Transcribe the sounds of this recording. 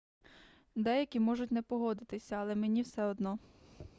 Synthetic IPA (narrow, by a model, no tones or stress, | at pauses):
d̪ɛjɐkʲimɔʒʊtʲnɛpɔɦɔd̪ɪt̪ɪsʲɐɐlˠɛmenʲiwsɛɔd̪nɔ